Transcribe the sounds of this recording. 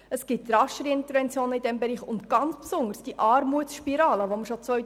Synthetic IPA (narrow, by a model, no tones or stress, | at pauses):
əsɡ̥ɪtːɾɑʃəɾɪntəɾvɛnt͡sjoːnəidɛmbɛɾiːχʊntɡ̥ɑnt͡spsʊndəsd̥iʔɑːɾmuəsʃpiɾɑːləʋoməɾʃot͡sʋœj